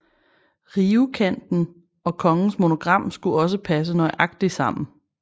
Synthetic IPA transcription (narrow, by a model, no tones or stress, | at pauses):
ʁiːukʰæn̰d̥n̩ | ɒ̽kʰɒ̽ŋn̩smo̝no̝ɡ̥ʁɑ̈m̰sɡ̥uɒ̽s̬əpʰæs̬ənɒ̽ɪʔɑ̈ɡ̥d̥isɑ̈m̰n̩